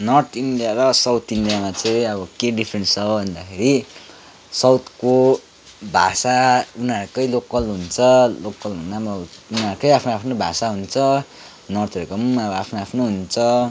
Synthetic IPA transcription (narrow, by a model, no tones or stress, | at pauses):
nʌrt̪ʰinɖijaɾʌsʌwt̪ʰinɖdijamat͡sʌĩʌβʌkeɖipʰɾenst͡sʌbʱʌnd̪akʰeɾi | sʌwt̪ʰko | bʱasaunaɾkʌjlokʌlɦunt͡sʰʌlokʌlɦunabʌunʌɾukʌjapʰnoapʰnobʱasaɦunt͡sʰʌ | nʌrt̪ʰʌɾekʌmʌbʌapʰnoapʰnoɦunt͡sʰʌ